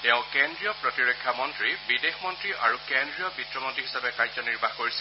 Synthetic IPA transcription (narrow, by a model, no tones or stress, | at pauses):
tɛʊ̃kendɹijɔpɹɔtiɹɔkʰːjamɔntɹibidexmɔntɹiʔaɹukendɹijɔbitɹɔmontɹiɦisabɛkajzɔniɹbaxkoɹisi